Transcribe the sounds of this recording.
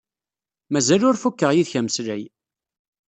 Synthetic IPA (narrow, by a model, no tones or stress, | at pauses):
mæzælʊɾfukːəʁjiðçæməslæj